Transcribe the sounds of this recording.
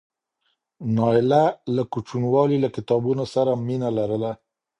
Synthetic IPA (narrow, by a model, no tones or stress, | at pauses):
nɑɪlalakut͡ʃunwɑlilakɪt̪ɑbunosaɾaminalaɾəla